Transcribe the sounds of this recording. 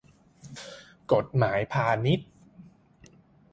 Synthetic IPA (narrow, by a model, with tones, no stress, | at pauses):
ko˨˩t̪̚maː˩˦jpʰaː˧ni˦˥t̪̚